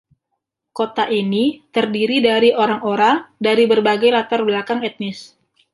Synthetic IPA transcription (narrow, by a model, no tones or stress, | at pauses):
kot̪aʔinit̪ərdiɾidaɾioɾaŋoɾaŋdaɾibərbaɡajlat̪arbəlakaŋɛt̪̚nɪs